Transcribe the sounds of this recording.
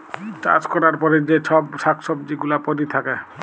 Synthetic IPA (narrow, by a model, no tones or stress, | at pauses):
t͡ʃa̰t͡ʃkɔɾaɾpɔɾed͡ʑet͡ʃʰɔbʃakʰsɔb̚d͡ʒiɡulapɔɾit̪ʰake